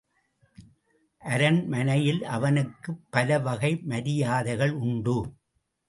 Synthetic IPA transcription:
ʔɐɾɐnmɐnɐjɪlʔɐʋɐnɯkːɯpːɐlɐʋɐɣɐɪmɐɾɪjaːðɐɪɣɐɭʊɳɖɯ

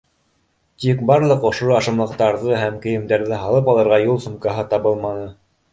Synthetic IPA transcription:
t̪ikbɑɾlˠɤqŏʃoɑʃɤ̆mlˠɤ̆q̚t̪ɑɾðɤɦæmkɘ̆jɘ̆md̪æɾðɘɦɑlˠɤpɑlˠɤ̆ɾʁɑjulˠsŭmkɑɦɤt̪ɑβɤlˠmɑnɤ

